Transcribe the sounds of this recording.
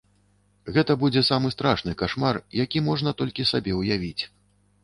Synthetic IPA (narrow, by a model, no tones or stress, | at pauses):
ɣɛt̪ɐbud͡zʲɛsamɨst̪ɾaʂnɨkaʂmarjakʲimɔʐn̪ɐt̪ɔlʲkʲisabʲɛwjavʲit͡sʲ